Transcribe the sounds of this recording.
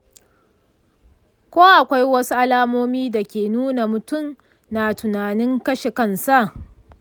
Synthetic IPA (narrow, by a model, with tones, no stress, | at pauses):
kʷoː˦ʔa˨kʷa˦jwɐ˦su˦ʔa˦laː˦moː˦miː˦da˨kʲeː˨nuː˦na˨mʊ˨tʊ˦˨m | naː˨tʊ˨naː˨nɪ˦ŋkɐ˦ʃe˨kɐ˦nsa˦ʔ